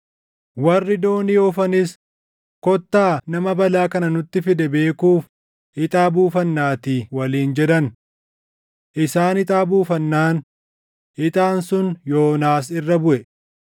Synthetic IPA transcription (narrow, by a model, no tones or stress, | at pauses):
wɐrːɪd̪o̞ːnɪɔfɐnɪs | kɔt̪ːaːnɐmɐbɐlaːkɐnɐnʊt̪ːɪfɪd̪ɛbe̞ːkuːf | ɪt̪ʼaːbuːfɐnːaːt̪iːwɐliːnd͡ʒɛd̪ɐn | ʔɪsaːnɪt̪ʼaːbuːfɐnːaːn | ɪt̪ʼaːnsʊnjo̞ːnaːs̬ɪrːɐbʊʔɛ